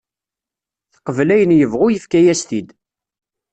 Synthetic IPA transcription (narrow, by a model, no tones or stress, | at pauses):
θqəvlæjənjəvʁʊjəfkæjæst̪id̪